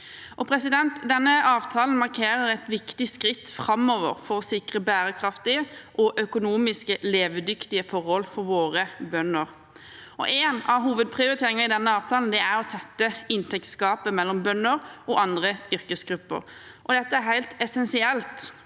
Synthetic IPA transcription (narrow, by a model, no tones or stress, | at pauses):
ʔɔpʰɾɛsɪd̪ɛnt̪d̪ɛnːəɑːʋt̪ʰɑːln̩mɑʁkʰeːɾəɾɛɪt̪ʋɪkt̪ɪskʁɪt̪ːfɾɑmɔʋəʁfɔɾɔsɪkʁəbæːɾəkʰɾɑft̪ɪəʔɔʔœkʊnuːmɪskəleːʋəd̪ʏkt̪ɪəfɔɾhɔlfɔɾʋoːʁəbœnəɾ | ɔ̰ʔeːnɑʋɦuːʋəd̪̚pʰʁɪʊɾɪt̪ʰeːɾɪŋəʁɪd̪ɛnːəɑːʋt̪ʰɑːln̩d̪ɛæɾɔt̪ʰɛt̪ːəɪnt̪ʰɛkt̪skɑːpəmɛlːɔmbœnːəɾɔʔɑnd̪ʁəʏɾkəsɡɾʉpːə̰ʁ | ʔɔd̪ɛt̪ːəæɾhæɪlt̪ɛsɛnsɪɛlt̪